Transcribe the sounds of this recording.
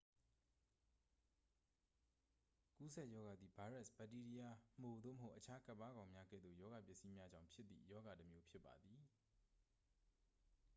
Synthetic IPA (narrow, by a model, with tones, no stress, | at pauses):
ku˦sɛ˦˨ʔjɔ˦ɡa˨d̪ði˨ba˨˦ɹɛ˦˨sb̥a˨ti˦di˦ja˨m̥o˨d̪o̰˦˨məɦo˦ʔət͡ɕʰa˦ka˦pːa˦ɡã˨ʊ̃mja˦ɡɛ̰˦˨d̪ðo̰˦˨jɔ˦ɡa˨pjɪ˦˨ʔsi˦mja˦d͡ʑã˨ʊ̃mpʰjɪ˦t̪ːḭ˦˨jɔ˦ɡa˨təmjo˦pʰjɪ˦pːa̰˨d̪i˨